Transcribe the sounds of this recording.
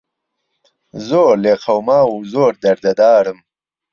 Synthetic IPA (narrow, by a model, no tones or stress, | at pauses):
zoːɾleːqʰɐwmɑːwuzoːɾd̪ɐɾd̪ɐd̪aːɾəm